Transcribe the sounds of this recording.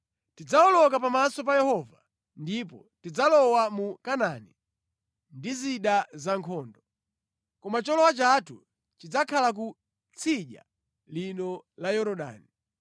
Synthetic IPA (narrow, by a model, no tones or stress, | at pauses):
tid͡zaɔlɔkapamasɔp̬ajɛhɔva | ndipɔ | tid͡zalɔwamukananḭ | ndiziɗazaŋkʰɔːndɔ | kɔmat͡ʃɔlɔwat͡ʃatʰṵ | t͡ʃid͡zakʰalak̬u | t͡sʰiʄa̰ | linɔlajɔɾɔɗa̰ːni